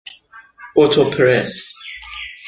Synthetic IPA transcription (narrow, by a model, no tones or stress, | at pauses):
ɔtʰɔpʰəɹɛs